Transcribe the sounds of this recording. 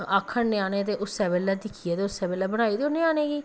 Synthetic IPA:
aːkʰːəɳneaːneːt̪eːʔʊsːɛːbeːlːɛːd̪ɪkʰiɛːt̪eːʊsːɛːbeːlɛːbəɽ̃aːiːd̪eoneaːneːɡiː

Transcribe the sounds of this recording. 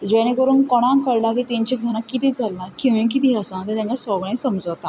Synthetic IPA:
d͡ʑɛɽ̃ẽkəɾuːnkɔɽ̃ãkəɾlakit̪iɲt͡ɕikɡʱəñakːit̪iːd͡zalːakĩw̃ʋĩk̬it̪iasat̪et̪ãɲkasɔɡɭẽsəmd͡zəʋt̪a

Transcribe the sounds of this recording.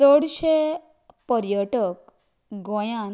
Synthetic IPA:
əɽɕe | pəɾjəʈək | ɡɔ̃jan

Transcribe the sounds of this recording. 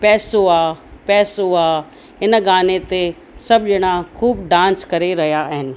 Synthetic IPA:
pɛːsoapɛːsoa | ɪnɡaːnet̪e | sɐbʄɪɽ̃akʰuːbɖãːnskɐɾeɾɐɦijaɦɪnɪ̆

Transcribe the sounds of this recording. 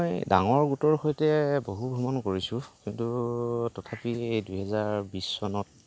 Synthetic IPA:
mɔjdaŋɔɹɡutɔɹxojtɛboɦubʱumɔnkoɹisʊ̃kintutɔtʰapiejdujɦɛzaɹbisːɔnɔt̚

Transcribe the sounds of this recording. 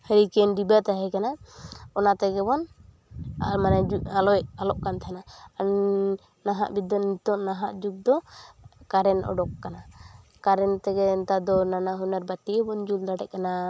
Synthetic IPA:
həɾikɛnɖibat̪aɦɛkanaɔnat̪ɛɡɛbɔn | a̰manɛd͡ʒualɔɛʔalɔʔkant̪ʰanaan | naɦa̰ʔbid̪ɔnit̪ɔʔnaɦaʔd͡ʒuk̚d̪ɔkaɾɛnɔ̰ɖɔkːana | kaɾɛnt̪ɛɡɛnt̪ad̪ɔnanaɦunaɾbat̪iɛbɔnd͡ʒuld̪aʈɛʔ̚kana

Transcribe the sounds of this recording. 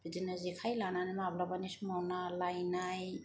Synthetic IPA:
b̥idinazikʰajlananamablabanismawnalajnaj

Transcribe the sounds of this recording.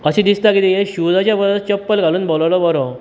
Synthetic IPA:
əɕid̪ist̪akit̪ijeɕud͡zat͡ɕjabəd̪ət͡ɕəpːəlɡʱaluːnbollɔbɔɾɔ

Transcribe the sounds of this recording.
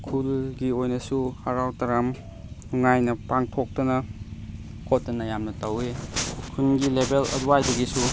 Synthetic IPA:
kʰulɡiojnɐsuhaɾawtɐɾam | uŋajnɐpaŋtʰok̚tɐnɐ | kʰotːɐnɐjamnɐtɐwekʰunɡilebelɐ̰duwajdɐɡisu

